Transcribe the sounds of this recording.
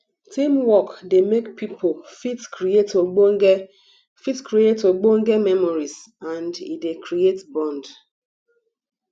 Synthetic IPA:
tĩmwɔkdemekpipʰofitkɹietoɡ͡boŋɡe | fitkɹietoɡ͡boŋ̩ɡemɛmɔɹiz | ãndḭdekʰɾietbɔ̃nd

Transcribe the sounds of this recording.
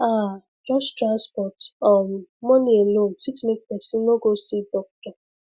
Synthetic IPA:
a | d͡ʒɔstɾanspɔtɔmːɔnielonfitmek̚pɛsinoɡosidɔk̚tɔ

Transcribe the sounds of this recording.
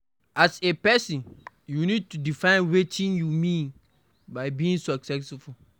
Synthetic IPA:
asepɛsĩn | junid̚tudifãɪ̃nwetʰĩnjumĩn | baɪbiĩŋsɔksɛsfu

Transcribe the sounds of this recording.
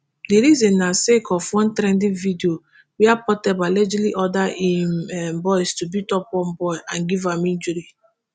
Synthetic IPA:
diɾizẽnːasekʰɔfwɔ̃ntɾɛ̃ndĩnvidio | wiapɔtɛbalɛd͡ʒiliʔɔdaʔimbɔjstubitɔpɔmbɔjʔãnɡivamind͡ʒuɾi

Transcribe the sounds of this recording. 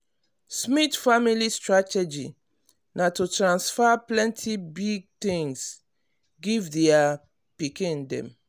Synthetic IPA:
smitfamilistɹatɛd͡ʒi | natutɹãnsfaplɛ̃ntʰibiɡ̚t̪ĩŋs | ɡivdɛa | pikĩndɛ̰̃m

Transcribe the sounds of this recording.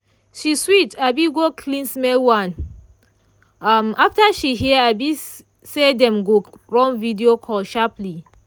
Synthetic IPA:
ʃiswitabiɡokʰlĩnsmɛwãn | amaftaʃiɦiɛabi | sedɛ̃mɡoɹɔ̃nvidiokʰɔlʃapli

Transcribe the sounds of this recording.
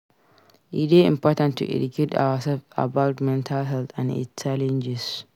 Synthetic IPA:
ʔiteɪ̰̃mpɔtãntʰːṵʔɛ̰dukʰeta̰wasɛlfa̰baʊtmɛ̃ntʰalɦɛltãnḭst͡ʃːalɛ̃nd͡ʒɛs

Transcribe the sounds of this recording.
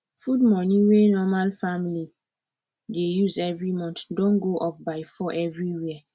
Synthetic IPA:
fud̚mɔ̃nĩwenɔmalfamili | dejuzɛvɹimɔ̃ntdõnɡoʔɔp̚baɪfɔʔɛvɹiwia

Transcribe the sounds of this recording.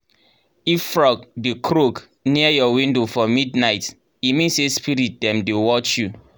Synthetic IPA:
iffɹɔkdekʰɾok | niajɔwĩndofɔmidnaɪt | imĩnsespiɾit̚dɛ̃mdewɔt͡ʃju

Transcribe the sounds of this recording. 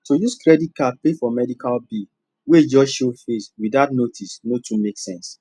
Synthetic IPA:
tojuskɾɛdit̚kapefɔmɛdikalbi | wed͡ʒɔʃofeswidatnotʰisnotũmeksɛ̃ns

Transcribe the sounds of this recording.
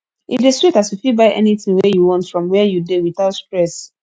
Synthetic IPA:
ʔḭdesɹitasjufibaɪʔɛ̰niθĩŋwɛjuwɔ̃ntfɹɔ̃mwɛjudewiθaʊtspɹɛs

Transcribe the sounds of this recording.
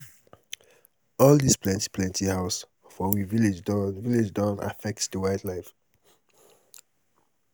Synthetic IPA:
ɔldisplɛ̃nti̥pʰlɛ̃ntihaʊs | fɔwiviled͡ʒdviled͡ʒdɔ̃na̰fɛk̚tsdəwaɪdlaɪf

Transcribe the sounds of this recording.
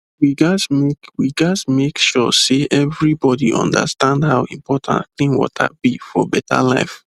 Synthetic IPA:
wiɡasmekwiɡasmekʃɔ̰seʔɛvɹibɔdiʔɔ̰̃nda̰stãndhawḭ̃mpʰɔtʰã̰nklĩnwɔ̰tʰa̰b̥ifɔbɛtʰa̰la̰ɪf

